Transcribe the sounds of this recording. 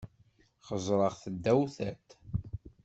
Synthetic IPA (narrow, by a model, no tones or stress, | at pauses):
χəzˤɾˤəʁθəd̪ːæwθæt̪